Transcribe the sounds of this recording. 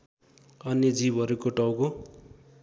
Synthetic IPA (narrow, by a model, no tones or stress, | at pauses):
ʌnid͡zibʱʌɾukoʈʌwko